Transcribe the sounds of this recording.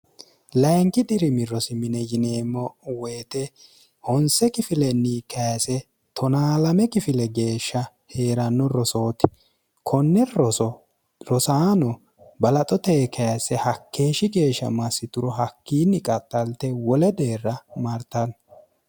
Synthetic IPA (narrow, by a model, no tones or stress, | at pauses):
lɐjŋkɪd̪ɪɾɪmɪrːɔsɪmɪnɛjɪneːmːɔweːt̪ɛ | hɔnsɛkɪfɪlɛnːiːkɐjɐsɛ | t̪ʰɔnaːlɐmɛkɪfɪlɛɡe̞ːʃːɐ | he̞ːɾɐnːɔɾɔso̞ːt̪ɪ̥ | kʰɔnːɛɾɔsɔ | ɾɔsaːnɔ | bɐlɐt̪ʼɔt̪eːkʰɐjɐsɛhɐkʰːe̞ːʃɪɡe̞ːʃːɐ̰mɐsːɪt̪ʊɾɔɦɐkːiːnːɪkʼɐt̪ʼːɐlt̪ɛwɔlɛd̪eːrːɐmɐɾt̪ɐn